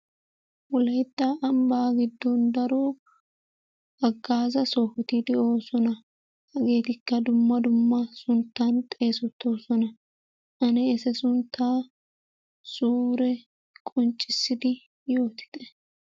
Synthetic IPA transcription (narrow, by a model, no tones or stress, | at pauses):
wɔlɐjd̪ːaʔɐmbaɡɪd̪ːɔnd̪ɐɾoː | ɐɡːaːzɐsɔhʊt̪ɪd̪ɛo̞ːsɔnɐ | hɐɡe̞ːt̪ɪkːɐd̪ʊmːɐd̪ʊmːɐsʊnt̪ːant̪ʼe̞ːsɔt̪ʰːo̞ːsɔnɐ | ʔɐnɛːsɛsʊnt̪ʰːaː | suːɾɛ | kʼɔnt͡ʃʼːɪsːɪd̪ɪ | jo̞ːt̪ʰɪ̥d̪̥ɛ